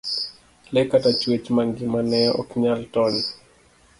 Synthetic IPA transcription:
lɛkatat͡ʃwet͡ʃmaŋɡɪmanɛɔ̰kɲaltɔni

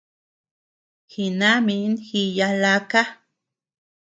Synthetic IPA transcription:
xinaminxijalaka

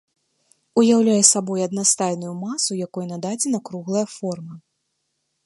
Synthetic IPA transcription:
ujawlʲajɛsabɔjɐd̪nast̪ajnujumasujakɔjɛnad̪ad͡zʲɛnɐkɾuɣlˠɐjɐfɔrmɐ

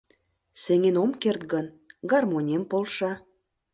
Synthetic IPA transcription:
sĕŋenomkert̪ɡən | ɡɑrmonʲempolʃɑ

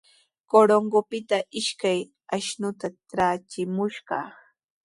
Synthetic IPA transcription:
koɾoŋɡopɪt̪aʔɪʃkaj | aʃnʊt̪aʈ͡ʂat͡ʃɪmʊʃɢɑ̰ː

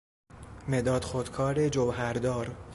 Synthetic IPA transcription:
med̪ɒːd̪xod̪̥kʰɒːɾed͡ʒovɦæɾd̪ɒːɾ

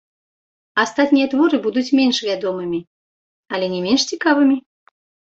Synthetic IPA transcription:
ast̪at̪ʲnʲijɐt̪vɔɾɨbud̪ut͡sʲmʲenʲʃvʲad̪ɔmɨmʲi | alʲɛnʲɛmʲenʂt͡sʲikavɨmʲi

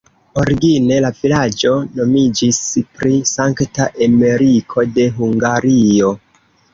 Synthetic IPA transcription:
o̞ɾiɡine̞lavilad͡ʒo̞no̞mid͡ʒispɾisaŋktaʔame̞ɾikʰo̞de̞ɦuŋɡaɾio̞

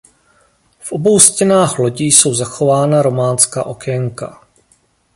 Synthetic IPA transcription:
fʔo̞bo̞wscɛnaːxlo̞ɟiːso̞wzaxo̞vaːnaɾo̞maːnska̰ːʔo̞kɛŋka̰

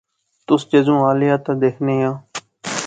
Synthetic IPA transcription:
t̪ʊst͡ʃezũːaːlɪjaːt̪ãːd̪eːkʰneːjãː

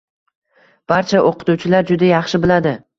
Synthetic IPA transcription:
b̥aɾt͡ʃʰaʔoqʰɨ̥t̪uwt͡ʃʰɪlaɾd͡ʒʊd̪ajɑχʃɪbɪlad̪ɪ

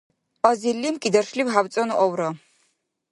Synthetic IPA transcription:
ɔzilːimkʼid̪ɐrʃliwɦawt͡sʼɔnʔɔwɾɔ

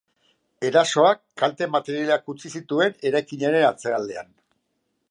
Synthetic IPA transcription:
e̞ɾaso̞akːalt̪e̞mat̪e̞ɾijaleakut͡sisit̪ue̞ne̞ɾajkiɲaɾe̞nat͡se̞ald̪e̞a̰n

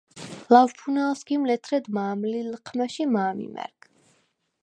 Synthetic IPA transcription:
lavpʰunalˠsɡimlɛt̪ʰɾɛd̪maːmlilqʰmaʃimaːmḭmɛ̰ɾkʰ

